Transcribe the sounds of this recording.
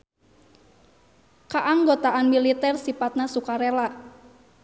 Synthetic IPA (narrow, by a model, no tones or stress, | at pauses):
kaʔaŋɡot̪aʔanmilit̪ɛrsifat̪̚nasukaɾela